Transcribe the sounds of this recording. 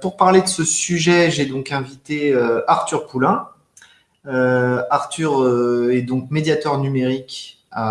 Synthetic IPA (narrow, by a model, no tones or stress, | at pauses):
puʁpaʁled̪əsəsyʒɛʒɛd̪ɔ̃kɛ̃vit̪eøaʁt̪yʁpulɛ̃ | øaʁt̪yʁøɛd̪ɔ̃kmed̪jat̪œʁnymeʁik | a